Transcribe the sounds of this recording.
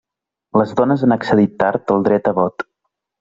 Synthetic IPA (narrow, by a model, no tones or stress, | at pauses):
ləzðɔnəzanəksəðit̪ːaɾt̪əlˠd̪ɾɛt̪əβɔt̪